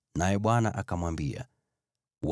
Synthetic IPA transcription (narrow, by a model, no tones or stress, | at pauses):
najɛɓwanaʔakamwambia̰ | w